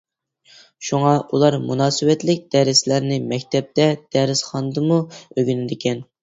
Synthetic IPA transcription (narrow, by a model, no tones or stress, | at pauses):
ʃuŋɑʔulˠɑɾmunɑːsɨwɛt̪lɪk̚ʲd̪̥ɛɾɪslæɾnɪmɛkʲt̪ʰɛp̚t̪ɛd̪̥ɛɾɪsχɑnɨd̪ɨmuøɡʲynɪd̪ɪkʲʰɛn